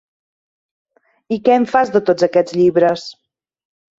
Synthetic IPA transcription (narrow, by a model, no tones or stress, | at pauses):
ikɛəɱfazðət̪od͡zəkɛd͡zʎiβɾəs